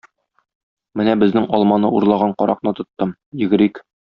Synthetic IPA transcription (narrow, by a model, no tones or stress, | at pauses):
mɘnæbɘ̆znɘŋɒlˠmɑnɤuɾlˠɑʁɑɴqɒɾɑq̚nɤt̪ŏt̪ːɤm | jɘ̆ɡɘ̆ɾik